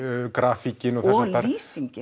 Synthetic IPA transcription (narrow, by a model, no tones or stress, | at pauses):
kɾaːficɪnɔθɛsaɾɾiːsiɲcɪ